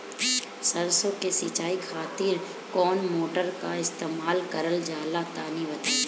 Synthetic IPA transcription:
səɾsõkesɪːt͡ʃaːikʰaːt̪iːɾ | kɔːnmoːʈəɾka̰ɪst̪eːmaːlkəɾəld͡ʒaːlat̪aːniʋət̪a

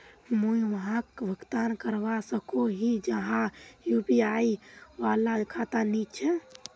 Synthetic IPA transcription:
mujʋəɦãkbʱəkt̪ankəɾʋasəkoɦid͡ʒəɦãjupiajʋalakʰat̪anit͡ʃʰɛ

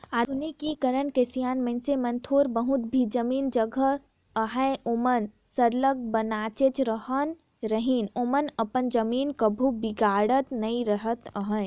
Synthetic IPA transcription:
aunikikəɾənkesijaːnmɐ̃nsemɐ̃nt̪ʰoːɾbəɦʊt̪̚bʱid͡ʒɐmiːnd͡ʒəɡʱə | əɦə̃oːmən | səɾləɡ̚bɐnaːt͡ʃet͡ʃɾəɦənɾəɦinoːmənɐpənd͡ʒɐmiːnkəbʱubiɡaːɽət̪nɐĩɾəɦət̪əɦə̃

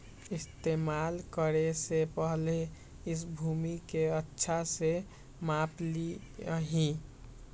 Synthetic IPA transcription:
ist̪emalkəɾesepəɦle | ɪs̬bʱumikeətːʃʰase | mapliɦĩ

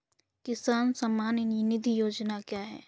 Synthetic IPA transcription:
kɪsaːnsɐmːaːnɪninɪd̪ʱijoːd͡ʒnakjaːɦɛ̰ː

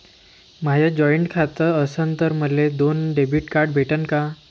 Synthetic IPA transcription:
mad͡ʑʱad͡ʑɔiɳʈkʰat̪əɾəsənt̪əɾməled̪onɖebʱiʈkaɾɖbʱeʈənka

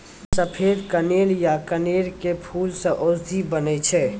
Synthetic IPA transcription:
səpʰeːd̪kəneːljakəneːɾkepʰuːlsẽʔʊzd̪ʱibənɛt͡ʃʰɛː

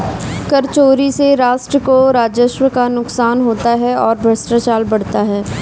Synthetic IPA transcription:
kɐɾt͡ʃoːɾiseɾaːʃʈɾəkoɾaːd͡ʒəʃwəkanʊksaːnɦoːt̪aɦɛɔːɾbʱɾɐsʈat͡ʃaːlbɐɽ̤t̪aɦɛː

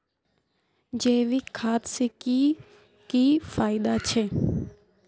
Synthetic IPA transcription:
d͡ʒeːʋikʰaːt̪sɪki | kiːfaːɪd̪aːt͡ʃʰeː

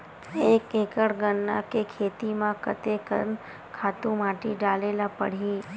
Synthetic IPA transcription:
ekekəɽɡənːakekʰet̪imãkət̪ekə̰n | kʰat̪ũmaʈiɖalelapə̰ɽ̤i

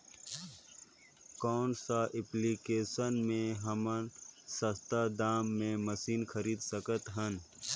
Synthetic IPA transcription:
kɔːnsaʔɪplikeːsənmẽɦɐmənsɐst̪ad̪aːmːẽməsiːnxʰɐɾiːd̪sɐkət̪ɦən

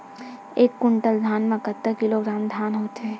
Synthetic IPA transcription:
eːkːʊɳʈəld̪ʱaːnmẽkət̪ːəkɪloɡɾaːmd̪ʱaːnɦoːt̪ɦɛ̃ː

